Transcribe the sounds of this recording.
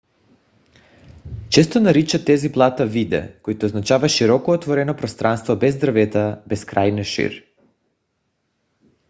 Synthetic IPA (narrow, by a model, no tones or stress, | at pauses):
t͡ʃɛst̪onaɾit͡ʃat̪ːɛziplˠat̪avid̪ɛ̰koit̪ɔznat͡ʃavaʃiɾɔkɔːt̪vɔɾɛnɔpɾɔst̪ɾanst̪vɔbɛzd̪ɾavɛt̪abɛskɾajnɛʃḭɾ